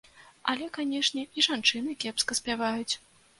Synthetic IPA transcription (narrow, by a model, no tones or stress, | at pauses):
ɐ̰lʲɛkanʲɛʂnʲɛiʐant͡ʂɨn̪ɨkʲɛpskɐsʲpʲavajut͡sʲ